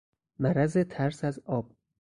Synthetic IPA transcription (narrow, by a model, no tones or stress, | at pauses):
mæɾæze̞t̪ʰæɾsæzɒːb̥̚